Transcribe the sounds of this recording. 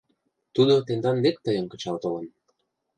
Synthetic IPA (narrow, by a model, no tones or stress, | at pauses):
t̪ud̪ot̪end̪ɑnlek̚t̪əjə̆nkə̥̆t͡ɕɑlt̪olən